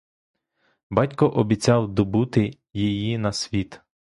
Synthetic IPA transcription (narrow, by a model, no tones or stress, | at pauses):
bɑtʲkɔʔɔbʲit͡sʲɑwd̪ɔbut̪ɪ | jijinɐsʲʋʲit̪